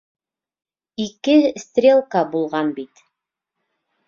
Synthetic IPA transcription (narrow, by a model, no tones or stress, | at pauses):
ikɘst̪rʲelˠkɑbulˠʁɑnbit̪